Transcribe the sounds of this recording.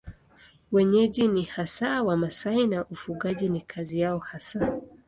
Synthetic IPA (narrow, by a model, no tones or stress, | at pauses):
wɛɲɛʄinihasaːwamasainaʔufuɠaʄinikʰazijaɔhasa